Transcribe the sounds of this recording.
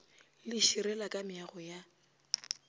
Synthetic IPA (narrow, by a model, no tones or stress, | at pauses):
lɪʃiɾɛlakʼamɪaɣɔja